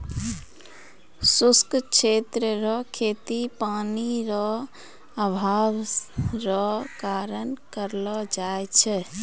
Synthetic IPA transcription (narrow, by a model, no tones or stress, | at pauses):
suskkt͡ʃʰet̪ɾəɾɔkʰet̪ipaniɾɔ | əbʱabɾɔkaɾənkəɾlɔd͡ʒaet͡ʃʰɛ